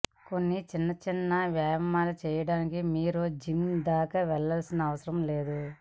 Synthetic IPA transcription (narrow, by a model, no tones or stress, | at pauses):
ko̞nːit͡ʃinːɐt͡ʃinːɐʋjaːjɐmaːlut͡ʃɛːjɐɽaːnikimiːɾud͡ʒimd̪aːkɐʋɛɭːɐlsinɐːʋɐsɐɾɐmleːd̪u